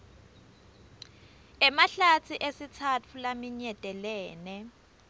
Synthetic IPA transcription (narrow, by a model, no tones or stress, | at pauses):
ɛmaɬat͡sʰiʔesit͡sʰat͡fʰulamiɲɛtʼɛlɛːnɛ